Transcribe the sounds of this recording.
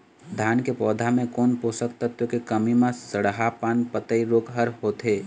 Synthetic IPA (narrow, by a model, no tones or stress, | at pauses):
d̪ʱjaːnkepɔːd̪ʱamẽkɔːnpoːsək̚t̪ət̪wəkekəmimẽsəɽɦapaːnpət̪əiɾoːkɦəɾɦoːt̪eː